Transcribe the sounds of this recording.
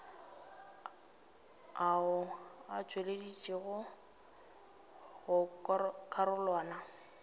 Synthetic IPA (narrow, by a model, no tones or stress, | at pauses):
aʊat͡ʃʼweledit͡ʃʼiɣʊ | ɣʊkʼaɾʊlwaːna